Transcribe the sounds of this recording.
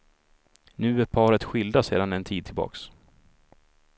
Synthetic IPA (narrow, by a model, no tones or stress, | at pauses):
nʉ̟ːæɾpʰɑːɾət̪ɧɪld̪aseːd̪anɛnt̪ʰiːd̪̚tʰɪlbɑ̰ːks